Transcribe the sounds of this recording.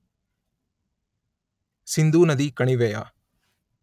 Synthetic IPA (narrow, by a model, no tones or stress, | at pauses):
sind̪uːnɐd̪ikɐɳiʋɛja̰